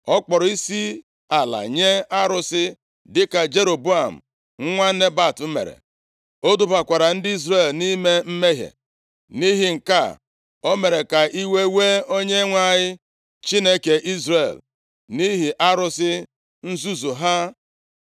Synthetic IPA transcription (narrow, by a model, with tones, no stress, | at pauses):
ɔ˦k͡pɔ˨ɾɔ˨i˦si˦ | a˨la̰˨ɲe˦a˦ɾʊ˦sɪ˦ | dɪ˦ka˨d͡ʒe˦ɾo˨bu˦a˨m̩̰˨ | ŋ̩˦ŋʷa˦ne˦ba˦˨tm̩˦mḛ˨ɾḛ˨ | o˦dʊ˦ba˨kʷa˨ɾa˨n̩˦dɪ˦i˦zɾe˨lni˦me˦m̩˦me˦ɦjḛ˨ | ni˦ɦi˨ŋ̩˨ka̰˦˨ | o˦me˨ɾe˨ka˨ʔi˦we˦we˦o˦ɲe˦ŋʷa˦ɲɪ˦ | t͡ʃi˦ne˦ke˨ʔi˦zɾe˨l | ni˦ɦi˨ʔa˦ɾʊ˦sɪ˦ | n̩˦zu˦zu˨ɦa˦